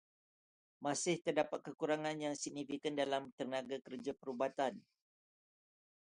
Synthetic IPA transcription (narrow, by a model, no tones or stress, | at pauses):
masɪht̪ərdapat̪̚kəkuɾaŋãnjaŋsiɡ̚nifikandalamt̪ərnaɡakərd͡ʒapəɾubat̪an